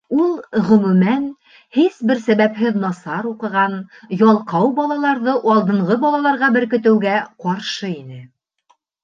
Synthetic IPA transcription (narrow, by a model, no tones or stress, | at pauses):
ulˠʁɵ̆mʉmæn | hisbɘɾsæβæpɦɘðnɑsɑɾuqɤ̆ʁɑnjɒlˠqɑwbɑlˠɑlˠɑɾðɤʔɑlˠd̪ɤ̆ɴʁɤbɒlˠɑlˠɑɾʁɑbɘ̆ɾkɵ̆t̪ɘ̆wɡæqɑɾʃɤinɘ